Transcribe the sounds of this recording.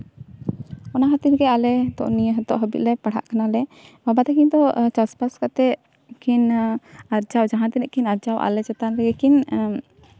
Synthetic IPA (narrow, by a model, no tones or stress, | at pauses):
ɔnaɦat̪iɾɡɛalɛt̪ɔ̰ʔnijəɦɛt̪ɔ̰ʔɦəbḭlɛpaɽ̤a̰ʔkanalɛbabat̪ɛkiɲd̪ɔt͡ʃaspaskat̪ɛ | kʰinaɾd͡ʒawd͡ʒaɦãt̪ɛnɛʔkʰinaɾd͡ʒawʔa̰lɛt͡ʃɛt̪anlɛɡɛkin